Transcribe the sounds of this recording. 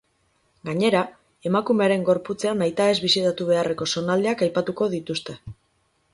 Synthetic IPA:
ɡaɲe̞ɾa | e̞makume̞aɾe̞ŋɡo̞ɾput͡se̞anajt̪ae̞zβisit̪at̪uβ̞e̞are̞ko̞so̞nald̪eakajpat̪uko̞ðit̪ust̪e̞

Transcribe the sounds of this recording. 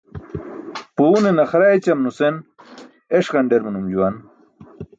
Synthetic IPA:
punenɐxɾajt͡ɕɐmnusen | eʂkɐɳɖeɾminumd͡ʑuwan

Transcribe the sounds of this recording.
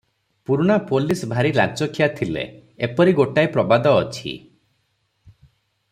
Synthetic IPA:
puɾuɽ̃apolisbʱaɾila̰nt͡ʃɔkʰjat̪ʰilḛepɔɾiɡoʈajpɾɔbad̪ɔːt͡ʃʰḭ

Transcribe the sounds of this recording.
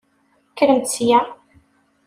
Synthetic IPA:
kːɾəmt̪sjæ

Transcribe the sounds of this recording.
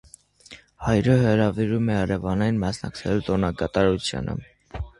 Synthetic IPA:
hɑjɾəɦəɾɑviɾumɛɑɾɛvɑnɑjinmɑsnɑ̰kt͡sʰɛlut̪ɔnɑɡɑt̪ɑɾut͡sʰjɑ̰nʔə̰

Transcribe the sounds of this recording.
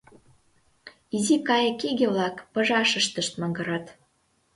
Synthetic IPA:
izikɑjɤ̆kiɣeβlɑkpɤ̆ʒɑʃə̆ʃt̪əʃt̪məŋɡɤ̆ɾɑt̪

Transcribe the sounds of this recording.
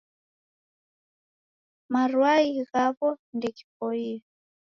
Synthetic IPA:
marwaiɣaβɔndɛki̥pɔiːa

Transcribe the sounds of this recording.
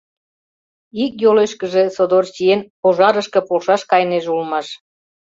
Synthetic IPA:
ikjoleʃkəʒesod̪ort͡ɕienpoʒɑɾəʃkə̆polʃɑʃkɑjneʒulmɑʃ

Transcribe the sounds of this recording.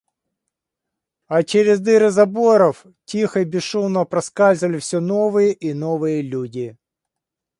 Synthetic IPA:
ɐt͡ɕeɾʲɪzd̪ɨɾɨzɐboɾɔf | tʲixɐibʲɪʂumnɔpɾɐskazʲɪʋɐlʲɪfsʲinoʋɨjəʔinoɔʋɨjəlʲudʲi

